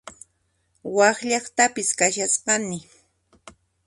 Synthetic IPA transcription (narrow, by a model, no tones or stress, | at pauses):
wɑχʎɑχt̪apɪskaʃasɢɑnɪ